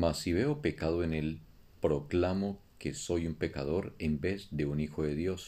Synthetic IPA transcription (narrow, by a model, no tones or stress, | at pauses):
masiβe̞o̞pe̞kaðoene̞l | pɾo̞klamo̞ke̞so̞jumpe̞kaðo̞ɾe̞mbe̞zd̪e̞unixo̞ðe̞ðjo̞s